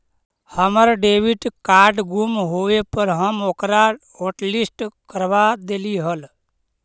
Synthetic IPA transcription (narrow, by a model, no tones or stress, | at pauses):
həməɾɖeːʋiʈkaːɾɖɡumɦoʋepəɾɦəmokɾa | oːʈlisʈkəɾʋad̪eːliɦəl